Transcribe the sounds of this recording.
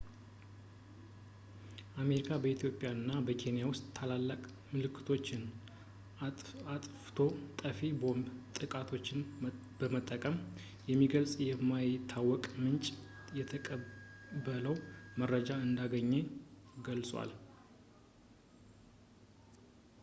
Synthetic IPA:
ʔame̞ɾikʰabəit̪ʰjo̞pʼjaɨnːabəkʰe̞nijawʊst̪ʼːʰalalːəkʼ | mɨlɨkʰːɨ̥t̪ʰo̞t͡ʃːɪn | aat̪ʼft̪ʰo̞t̪ʼəfebo̞mbt̪ʼɨkʼat̪ʰo̞t͡ʃːɪn | b̥əmət̪ʼːəkʼəm | jɛmːiɡəlsʼjɛmːajɪt̪ʰːawɔkʼmɨnt͡ʃʼjɛt̪ʰəkʼəbələwmərːəd͡ʒaɨnd̪aɡəɲːeɡəlsʼwa̰l

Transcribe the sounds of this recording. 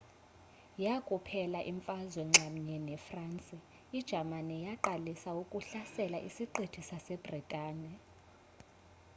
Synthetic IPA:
jakʼupʰɛlaʔiɱfazwɛŋ͡ǁʱam̩ɲɛnɛfrant͡sʼi | id̥ʒ̥ʱamanɛjaǃalisaukʼuɬasɛlaʔisiǃitʰisasɛb̥ritʼaːnɛ

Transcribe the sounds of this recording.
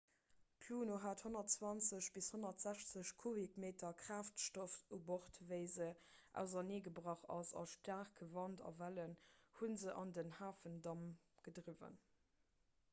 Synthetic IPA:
kʰluːnoːɦaːthonɐtt͡swɑnt͡səɕb̥ishonɐtz̥æɕt͡səɕkʰovikmeːtɐkʁ̥aːftʃtofuboχtvəɪzəʔæ̰ʊzɐneːɡəbʁɑχɑ̰sɑ̰ʃtaːχkəvɑntɑ̰vælənhunzəʔɑ̰ndənhaːfəndɑm | ɡ̥ədʁivə̰n

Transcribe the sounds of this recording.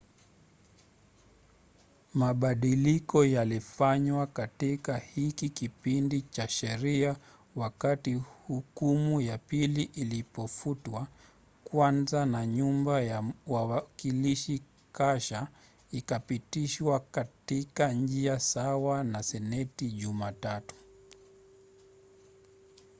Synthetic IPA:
maɓaɗilikɔjalifaɲwakatikahikikipindit͡ʃaʃɛɾia | wakatihukumujapiliʔilipɔfutwa | kwanzanaɲumbajawawakiliʃi | kaʃa | ikapitiʃwakatikaɲ̩d͡ʒiasawanasɛnɛtiʄumatatu̥

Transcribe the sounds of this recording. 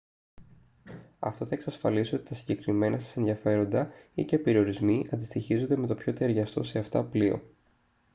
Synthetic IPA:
ɐ̰ft̪θɐe̞ksɐsfɐlisio̞t̪i̥t̪ɐsiɲɟe̞kɾime̞nʔɐsɐ̥senðiɐfe̞ɾo̞nd̪ɐicepe̞ɾio̞ɾizmiʔɐnd̪ist̪içizo̞nd̪e̞me̞t̪opço̞t̪e̞ɾʝɐst̪o̞seɐft̪ɐplio̞̰

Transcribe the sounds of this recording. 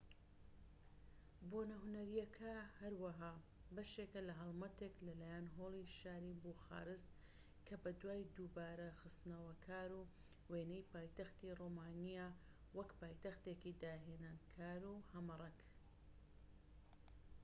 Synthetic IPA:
boːnɐɦʊnɐɾijɐkʰɐhɐɾwɐɦaː | bɐʃekɐlɐɦɐlˠmɐt̪eklɐlaːjanɦoːlˠiʃaːɾibuxa̰ːɾɨst̪ | kʰɐbɐd̪waːjd̪uːbaːɾɐxɨst̪nɐwɐkʰaːɾu | weːnɐjpaːjt̪ɐxt̪iroːmaːnijaː | wɐkpaːjt̪ɐxt̪ekid̪aːɦeːnaːnkʰaːɾuːhɐmɨrˤɐk

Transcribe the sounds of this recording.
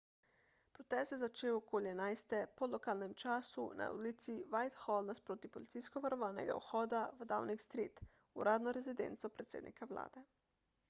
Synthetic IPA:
pɾɔt̪ɛst̪jɛzat͡ʃeːwɔkoːljɛnajst̪ɛpɔlɔkaːlnɛmt͡ʃaːsṵna̰ṵlit̪siʋajt̪xɔldnaspɾoːt̪ipɔlit̪sijskɔʋaɾɔʋaːnɛ̰ɡa̰ṵxɔːd̪avəd̪a̰wnikst̪ɾit̪ | uɾaːd̪nɔɾɛzid̪ɛ̰nt̪sɔpɾɛt̪sḛd̪nʔḭkawla̰ːd̪ɛ

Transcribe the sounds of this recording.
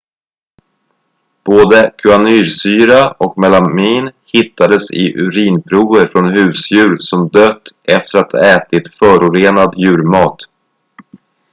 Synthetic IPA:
b̥oːd̪əkʰɵanyːɾsyːɾaɔkmɛlamiːnhɪt̪ːad̪əsɪ̰ʔɵɾiːnpʰɾuːəɾfɾɔnhʉ̟ːsjʉ̟ːɾsɔmd̪øːt̪ːʔɛft̪əɾat̪ʰɛːt̪ɪt̪fœːɾʊɾeːnad̪jʉ̟ːɾmɑːt̪

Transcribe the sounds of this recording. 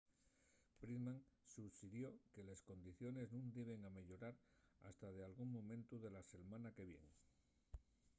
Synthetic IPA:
pɾiðmãŋsusiðjo̞ke̞le̞sko̞nd̪iθjo̞ne̞znũnd̪iβe̞ŋame̞ʎo̞ɾaɾa̰st̪að̞e̞alɣuŋmõ̞mẽ̞nt̪uðe̞lase̞lmãnake̞βje̞̰n

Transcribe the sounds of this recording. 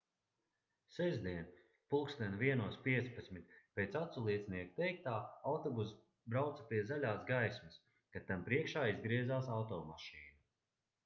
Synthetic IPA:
sɛzd̪iɛn | pulˠkstd̪ɛnviɛnuɔspiɛt̪spat̪smit̪̚pʲeːt̪sat̪sulˠiɛsniɛku̥t̪ɛjk̚t̪aːawt̪ɔbus | bɾawt̪sɐ̥piɛzalʲaːsɡajsmɐs | kat̪ampɾiɛkʃaːizɡɾiɛzaːsawt̪ɔːmaʃiːnu

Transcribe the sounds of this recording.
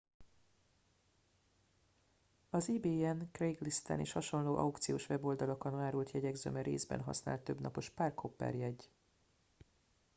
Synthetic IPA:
ɒziːbeːɛnkreɡlist̪ɛ̰nḛːʃhɒʃo̞nloːʔɒ̰ukt̪sijoːʃʋɛbo̞ld̪ɒlokonaːɾult̪jɛɟɛɡzø̰ːmɛɾeːzbɛ̰nɦɒ̰sna̰ːlt̪ːø̞bnɒpo̞ʃparkʰopːɛ̰rjɛɟ

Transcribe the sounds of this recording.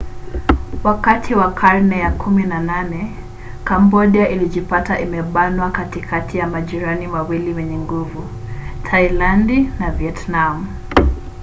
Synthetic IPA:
wakatʰiwakʰaɾnɛjakʰuminananɛ | kambɔɗiaʔiliʄipataʔimɛɓanwakatikʰatijamaʄiɾanimawiliwɛɲɛŋɡuvu | tʰailandinaviɛtnamu

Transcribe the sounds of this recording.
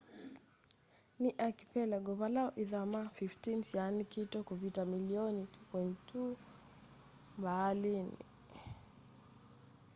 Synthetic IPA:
niʔaki̥pɛlɛɡɔβalaɔʔiðamafiftinsianikitɔkuvitamiliɔnitu̥kwɛntʰu | mbalinḭ

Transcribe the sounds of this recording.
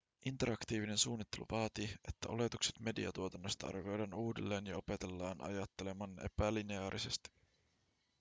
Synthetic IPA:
ʔint̪e̞ɾɑkt̪iːʋine̞nsuːnːit̪ːe̞lṵʋɑːt̪iet̪ːæʔo̞̰le̞t̪ukse̥t̪me̞dḭɑ̰t̪uot̪ɑnːost̪ɑɑ̰rʋejdɑːnuːde̞̰lːe̞ːnjɑo̞pet̪e̞lːɑːnʔɑ̰jɑt̪ːe̞le̞mɑne̞̰pælineɑːɾʔise̞st̪i̥

